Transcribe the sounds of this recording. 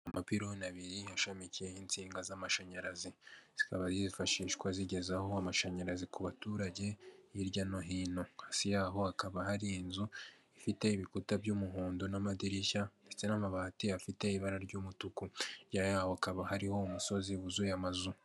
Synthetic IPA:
amapiɾonaβiɾiaʃamicijeint͡siːŋɡazamaʃaɲaɾaziz̥i̥kaβazizifaʃiːʃkwaziɟe̞zaho̞amaʃaɲaɾazikuβatuːɾaɟe̞iɾɟanoɦiːno̞hasijaːɦo̞akaβaɦaɾiːnzuifite̞iβikutabɟuːmuɦuːndonamadiɾiçande̞t͡se̞namaβahatiafite̞iβaɾaɾɟuːmutukujajahoakaβahaɾiho̞umuso̞ziβuzujamazu

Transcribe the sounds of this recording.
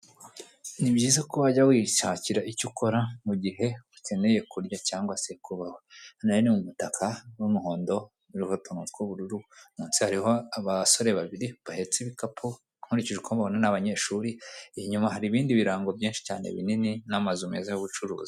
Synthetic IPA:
nibɟiːzekoβaɟawiʃaːciɾaʔicukʰo̞ɾamuɟiɦe̞utʰeneje̞kuɾjacaːŋɡwasekuβahonajonimumutakʰawumuɦo̞ːndo̞ | uɾihotunutkwoβuɾuɾumuːnsihaɾihoaβaso̞ɾe̞βaβiɾiβahe̞t͡seβikapʰo | huɾiciʒekoβaβonanaβaɲe̞ːʃuːɾiihiɲumaɦaɾiβiːndiβiɾaːŋɡo̞bjiːnʃi̥caːne̞̰βḭnininamazumeːzajoβut͡ʃuɾṵːzi

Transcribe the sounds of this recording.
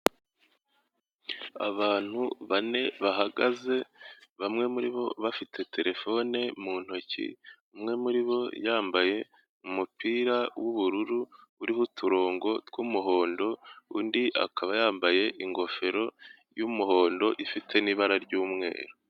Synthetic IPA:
a̰βaːn̥huβane̞βaɦaɡaze̞βamŋe̞muɾiβo̞βafitʰe̞tʰe̞ɾe̞fo̞ne̞mun̥ho̞cḭumŋe̞muɾiβo̞jaːmbaje̞ | umupiːɾawʔuβuɾuɾuuɾihutʰuɾo̞ːŋɡo̞tkumuɦo̞ːndo̞undiʔa̰kaβajaːmbaje̞ʔiŋɡo̞fe̞ɾo̞ | jumuho̞ːndo̞ʔifitʰe̞niβaɾaɾɟuːmŋe̞̰ːɾo

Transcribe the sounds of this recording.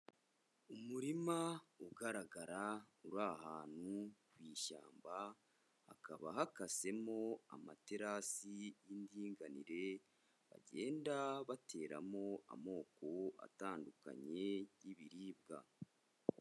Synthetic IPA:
umuɾimauɡaɾaɡaɾauɾahaːn̥hukwiːʃa̰ːmba | a̰kaβaɦakase̞mo̞a̰mate̞ɾasijindiːŋɡanḭɾe̞ | βa̰ɟe̞ːndaβatʰe̞ːɾa̰mo̞a̰mo̞ːko̞a̰taːnduka̰ɲe̞jiβiɾiːbɡa̰

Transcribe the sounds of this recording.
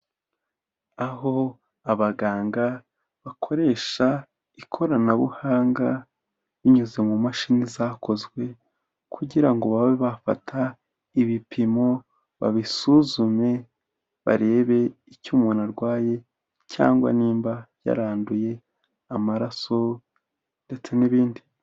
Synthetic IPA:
aɦo̞ | aβaɡaːŋɡa | βakʰo̞ɾe̞ːʃa | ikʰo̞ɾanaβṵhaːŋɡa | βiɲuze̞mumaʃinizaːkʰo̞zɡwe̞ | kʰuɟiɾaŋɡo̞βaweβafa̰tʰa | iβipʰimo̞ | βa̰βisuzume̞ | βa̰ɾe̞ːβe̞icuːmunaɾɡwaːje̞ | ca̰ːŋɡwa̰niːmbaja̰ɾaːnduje̞ | amaɾaso̞ | nde̞t͡se̞niβiːndi

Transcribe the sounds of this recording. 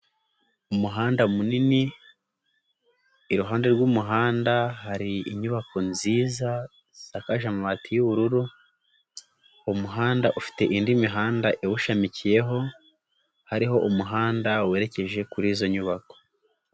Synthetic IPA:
umuɦaːndamunini | ɾuɦaːnde̞ɾɡuːmuɦaːndaɦaɾiiɲuβako̞nziːza | z̥akaʒamuβatijuβuɾuɾu | umuɦaːndaʔufi̥te̞ʔindimiɦaːndaʔewuʃamicije̞ɦo̞ | haɾiɦo̞ʔumuɦaːndawe̞ːɾe̞ce̞ʒe̞kuɾiːzo̞ɲuβako̥

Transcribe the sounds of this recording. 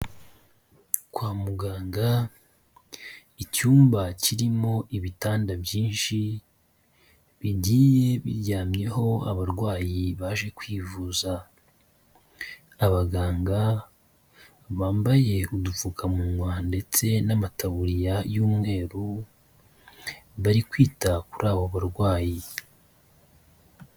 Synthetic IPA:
kwaːmuɡaːŋɡa | icuːmbaciɾimo̞ʔiβitaːndabjiːnʃi | βiɟiːje̞βḭɾɟaːmɲe̞ho̞aβaɾɡwaːjiβaʒe̞kwiːvuːza | βaɡaːŋɡa | βaːmbaje̞udufukʰamuwande̞t͡se̞namatʰaβuɾijajuːmŋe̞ːɾu | βaɾikwiːtakuɾʔaːβoβaɾɡwaːji

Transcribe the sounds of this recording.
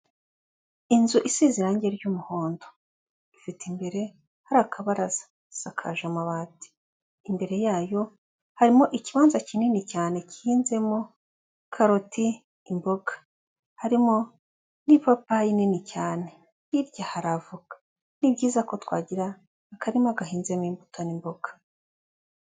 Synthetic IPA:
inzuʔisiziɾaːɲɟeɾɟuːmuhoːndo | ifitimbe̞ɾe̞ | haɾaːkʰaβaɾaz̥ḁ | sakʰa̰ʒamaβaːti̥ː | mbe̞ɾe̞jaːjo̞ | haɾimo̞ʔiciβaːnzacininicaːne̞cihiːnze̞mo | kʰaɾotiː | mbo̞ɡḁ | haɾimo | nipapaininicaːne̞ | iɾɟahaɾavuɡ̥ḁ | nibɟiːzako̞twa̰ːɟiɾaː | kaɾimoaɡahiːnze̞moimbutʰonimbo̞ɡ̥ḁ

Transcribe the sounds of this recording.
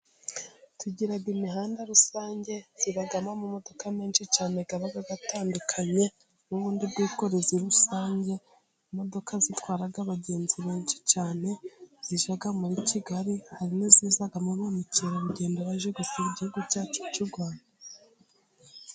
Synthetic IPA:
tʰuɟiɾaɡimiɦaːndaɾusaːɲɟe̞z̥iɾaɡamamumo̞do̞kameːnʃit͡ʃaːneɡaβaɡaɡataːndukʰaɲe̞ | muβuːndibɡiːko̞ɾeziɾusaːɲɟe̞ | imo̞do̞kʰazitwaːɾaɡaβaɟe̞ːnziβe̞ːnʃi̥t͡ʃaːne̞z̥iʒaɡamuɾiciɡaɾihaɾinoziːzaɡamoβomiceɾaβuɟe̞ːndoβaʒeɡuseiɟihuɡuɾɟaːt͡ʃocuɡwaːnda

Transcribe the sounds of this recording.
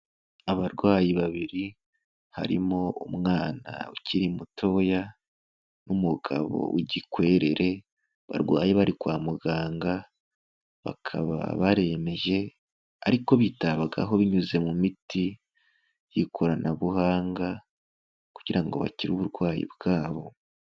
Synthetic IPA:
aβaɾɡwaːjiβaβiɾi | ha̰ɾḭmo̞umŋaːna̰uciɾimuto̞ja | numuɡ̥a̰βo̞̰uɟikwe̞ːɾe̞ɾe̞ | βa̰ɾɡwa̰ːjeβaɾikwaːmuɡaːŋɡa | βa̰kʰa̰βa̰βaɾe̞me̞ʒe̞ | a̰ɾiko̞βitaβaɡa̰ɦo̞βiɲuze̞mumiti | jikʰo̞ɾanaβuhaːŋɡa | ku̥ɟ̥iɾaŋɡo̞̰βa̰ciɾuβuɾɡwaːjḭbɡaːβo̞

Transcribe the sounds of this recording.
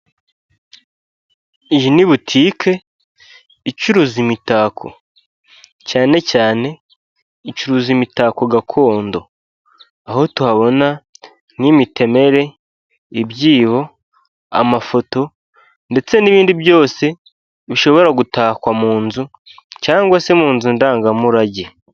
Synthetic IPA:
iʒiniβutʰiːkʰe̞ | icuɾuzimitakʰo̞̰ | caːne̞caːne̞ | icuɾuzimitaːko̞ɡakʰo̞ːndo̞ | aho̞tuhaβo̞na | nimitʰe̞me̞ɾe̞ | iβjiːβo̞ | a̰mafo̞to̞ | nde̞t͡se̞niβiːndibjo̞ːse̞ | βiʃo̞βo̞ɾaɡutaːkwamuːnzu | caːŋɡwasemuːnzundaːŋɡamuɾaɟe

